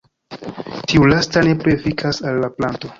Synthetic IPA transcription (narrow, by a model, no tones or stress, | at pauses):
tiulastane̞pɾefikʰasalːaplanto̞